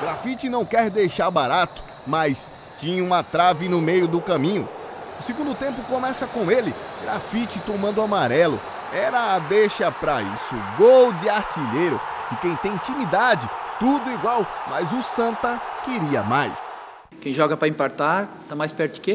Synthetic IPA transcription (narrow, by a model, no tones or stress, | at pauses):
ɡɾafit͡ʃɪnɐ̃w̃kɛɾd̪ejʃaɾbaɾat̪ʊ̥ | mɐjs | t͡ʃĩɲɐũmɐt̪ɾavɪnʊmejʊd̪ʊkɐ̃mĩɲʊ̰ʊseɡũd̪ʊt̪ẽmpʊkõmɛsɐkõelɪɡɾafit͡ʃɪt̪omɐ̃nd̪ʊamaɾɛlʊ̰ | ɛɾɐːd̪eʃɐpɾaḭsʊɡowd͡ʒɪaɾt͡ʃiʎejɾʊ | kɪkẽj̃t̪ẽj̃ĩtt͡ʃĩmid̪ad͡ʒɪt̪ud̪ʊiɡwawmɐjzʊsɐ̃nt̪ɐkɪɾiɐ̰majs | kẽj̃ʒɔɡɐpɾɐĩpaɾt̪aɾ | t̪amajspɛɾt̪ʊ̥ke